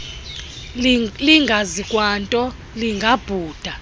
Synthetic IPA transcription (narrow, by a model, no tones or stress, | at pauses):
liŋɡʱazikʼwantʼɔ | liŋɡʱab̥ʱuːd̥ʱa